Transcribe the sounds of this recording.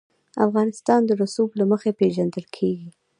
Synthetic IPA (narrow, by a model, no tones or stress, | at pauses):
a̰fɣɑnɪst̪ɑnd̪əɾasublaməxepeʒand̪əlkʰeɡi